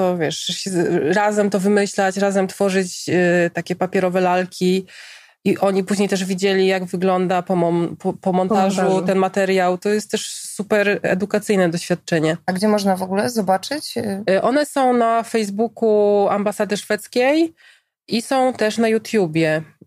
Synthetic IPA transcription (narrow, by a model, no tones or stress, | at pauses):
t̪ɔvʲjɛʂɕɛɾazɛmt̪ɔvɘmɘɕlat͡ɕɾazɛmt̪fɔʐɘt͡ɕt̪akʲɛpapʲjɛɾɔvɛlalkʲi | iʔɔɲipuʑɲejt̪ɛʐvʲid͡ʑelʲijaɡvɘɡlɔnd̪apɔmɔpɔpɔmɔnt̪aʐuɛnmat̪ɛɾjawt̪ɔjɛst̪t̪ːɛʂsupɛɾɛ̰d̪ukat̪sɘjnɛd̪ɔɕfʲjat̪̚t͡ʂɛɲɛaɡd͡ʑɛmɔʐnavɔɡulɛzɔbat͡ʂɘt͡ɕʔɔnɛsɔ̃w̃nafɛjzbukuambasad̪ɛʂfɛt̪skʲej | isɔ̃w̃t̪ɛʂnajut̪jubʲjɛ